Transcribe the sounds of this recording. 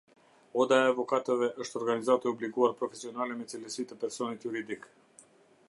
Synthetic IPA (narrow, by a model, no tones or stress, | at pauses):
od̪aeavokat̪eveʔəʃt̪oɾɡanizat̪əobliɡuarpɾofesionalemet̪silesit̪əpɛrsonit̪juɾid̪ik